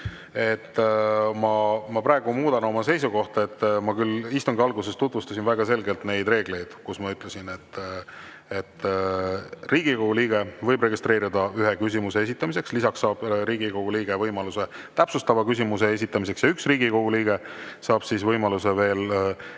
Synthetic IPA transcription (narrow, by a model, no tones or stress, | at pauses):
e̞t̪ːmɑmɑpɾɑːe̞ɡ̥umuːd̪ɑno̞mɑse̞jsuko̞ht̪ɑe̞t̪ːmɑkylist̪uŋɡiɑlɡuse̞st̪ut̪vust̪ɑsinvæɡ̥ɑse̞lɡe̞lt̪ne̞jd̪re̞ːɡ̥le̞jd̪̥kusmɑyt̪ːˑle̞sine̞t̪ː | et̪ː | riːɡ̥ikoɡ̥uliːɡ̥e̞vɤjbre̞ɡist̪ɾe̞ːɾid̪ɑyɦekys̬ʲimuse̞es̬it̪ːˑɑmise̞kslisɑksːɑːb̥ɾiːɡikoɡ̥uliːɡ̥e̞vɤjmɑluse̞t̪æpsust̪ɑvɑkysimus̬e̞es̬ʲit̪ːˑɑmis̬e̞ksjɑyksriːɡiko̞ɡ̥uliːɡ̥e̞sɑːb̥sisvɤjmɑluse̞ve̞ːl